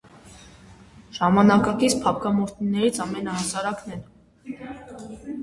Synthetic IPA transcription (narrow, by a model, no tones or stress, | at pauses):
ʒ̥ɑmɑnɑkɑkit͡sʰpʰɑp̚ʰkʰɑmɔɾt̪ʰninːɛɾit͡sʰɑmɛnəɦɑsɑɾɑknɛn